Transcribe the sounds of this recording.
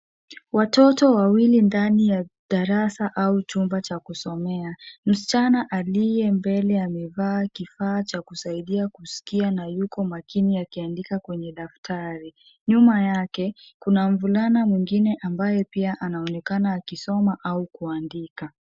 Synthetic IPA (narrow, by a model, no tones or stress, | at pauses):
watɔtɔwawilindanijaɗaɾasaʔaut͡ʃumbat͡ʃakusɔmɛam̩si̥t͡ʃanaʔalijɛmbɛlɛamɛvaːkifaːt͡ʃakusaiɗiakusi̥kianajukɔmakiniakiandikakwɛɲɛɗaftʰaɾi | ɲumajakɛkunam̩vulanamwiŋɡinɛʔambajɛpiaʔanaɔnɛkanaːkisɔmaʔaukuandika